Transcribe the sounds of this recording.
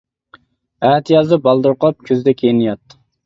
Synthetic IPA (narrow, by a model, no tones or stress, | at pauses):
æt̪ʰjɑzd̪ɨbɑlˠd̪uɾqʰəlˠɑp̚kʲʰøzd̪ɛkʲʰejnɪjɑt̪ː